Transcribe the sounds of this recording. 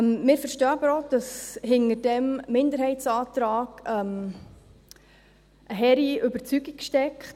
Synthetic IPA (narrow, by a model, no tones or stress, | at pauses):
mmɪːɾfəɾʃtœːbəɾod̥ɑshɪnədɛmmɪndəɾhɛɪt͡sɑːt̪ɾɑːɡ̥ɛm | ʔəɦɛɾiʏbəɾt͡syɡikʃtɛkχt